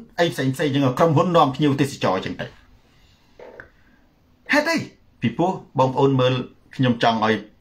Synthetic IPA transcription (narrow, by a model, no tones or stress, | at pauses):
ʔəjpʰseːŋpʰseːŋt͡ɕəːŋʔaːjkromɦunːŏəmpʰɲiəwt̪eːsat͡ɕɑːt͡ɕəəŋt̪ɨ | haɛt̪̚ʔəj | pipŭəhɓɑːŋpəʔoːnməːl | kʰɲomt͡ɕɑŋʔaɔj